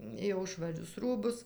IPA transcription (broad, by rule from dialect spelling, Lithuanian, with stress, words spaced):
jɛʊ ʃʋɐˈrʲʊs ˈruːbʊs